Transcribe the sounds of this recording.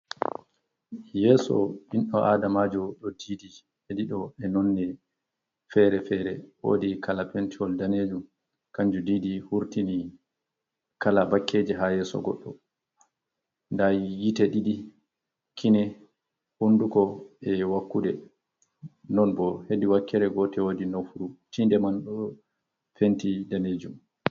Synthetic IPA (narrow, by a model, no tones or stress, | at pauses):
jɛːsɔ̰ɓinɗɔʔaːdamad͡ʒɔɗɔdiːdi | heɗiɗɔɛnɔnːɛ | fɛɾɛfɛːɾɛwo̰ːdikalapɛntiɔldaneːd͡ʒum | kaɲd͡ʒudiːdihuɾtini | kalabakʰːeːd͡ʒiɦajɛːsɔ̰ɡɔ̰ɗːɔ | ndajitɛɗiɗi | kʰinɛ | hundukɔɛwakːuɗɛ | nɔnbɔhediwakːɛɾɛɡɔtɛwodinɔfuut͡ʃindɛmanɗɔ | pentidaned͡ʒum